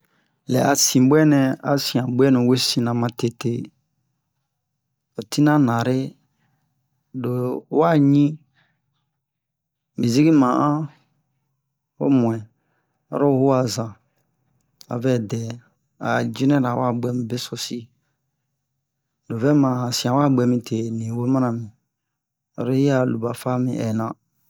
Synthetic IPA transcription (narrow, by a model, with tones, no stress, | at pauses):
lɛ˨ʔa˨sĩ˨bɛ˦nɛ̃˨a˨sĩ˨ã˨bwɛ˦nũ˨we˦sĩ˨nã˨mã˨te˨te˦˨ | o˨ti˦nã˦nã˨ɾe˦ | do˨˦wa˦ɲĩ˦ | mĩ˨zi˦ɡi˦mã˨ʔã˦ | o̰˦mũ˨ɛ̃˨ | ɔ̰˨ɾo˦hu˦a˨zã˨ | a̰˨vɛ˦dɛ˨ | a̰˨d͡ʒĩ˦nɛ̃˦ɾa˨wa˦˨ɡ͡bɛ˦mĩ˨be˦so˨si˦ | do˨vɛ˦mã˨sĩ˨ã˨wa˦ɡ͡bɛ˧mĩ˨tʰe˨nĩ˨wo˦mã˦ã˨mĩ˨ | ɔ̰˨ɾo˦i˦a˦˨lu˨ba˨fa˦mḭ̃˨ʔɛ̰˨nã˨